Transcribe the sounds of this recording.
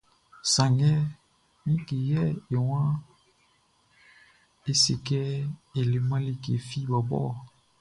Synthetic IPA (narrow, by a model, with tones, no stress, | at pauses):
sa˨ŋɡɛ˦ | mĩ˦ki˨jɛ˦e˨wã˦ | e˦si˨kɛ˦e˨le˨mã˦li˦ke˨fi˦ba˨bɔ̰˦